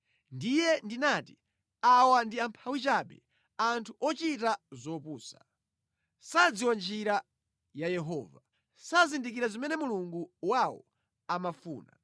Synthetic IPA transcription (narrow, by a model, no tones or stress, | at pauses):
ndijɛndinaːti | awandiampʰawit͡ʃaɓɛ | antʰuʔɔt͡ʃitazɔpuːsa̰ | sad͡ziwand͡ʒiɾa | jajɛɦɔːva | sazindik̬iɾazimɛnɛmuluŋɡuwawɔ̰ | amafṵːna̰